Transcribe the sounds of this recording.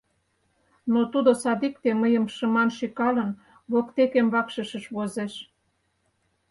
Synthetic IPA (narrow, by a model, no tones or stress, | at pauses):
not̪ud̪osɑd̪ikt̪eməjə̆mʃəmɑnʃikɑlə̆n | βokt̪ekemβɑkʃə̆ʃə̆ʃβozeʃ